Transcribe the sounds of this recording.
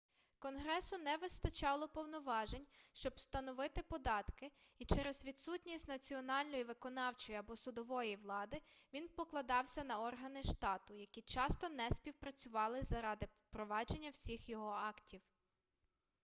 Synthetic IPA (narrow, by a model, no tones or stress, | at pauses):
kɔnɦɾɛsʊnɛʋɪst̪ɐt͡ʃɑlˠɔpɔwnɔʋɑʒenʲʃt͡ʃɔbst̪ɐnɔʋɪt̪ɪpɔd̪ɑt̪kɪit͡ʃɛɾezʋʲid̪sutʲnʲisʲtʲnɐt͡sʲiɔnɑlʲnɔjiʋɪkɔnɑwt͡ʃɔjiɐbɔsʊd̪ɔʋɔjiʋlˠɑd̪ɪʋʲinpɔklˠɐd̪ɑwsʲɐnɐɔrɦɐnɪʃt̪ɑt̪ʊjɐkʲit͡ʃɑst̪ɔnɛsʲpʲiwpɾɐt͡sʲʊʋɑlˠɪzɐɾɑd̪ɪpɾɔʋɑd͡ʒe̞nʲːɐwsʲixjɔɦɔɑktʲiw